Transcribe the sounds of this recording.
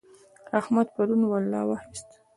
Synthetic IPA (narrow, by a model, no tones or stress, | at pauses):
ahmad̪paɾunwalːɑ̰wɑxɪst̪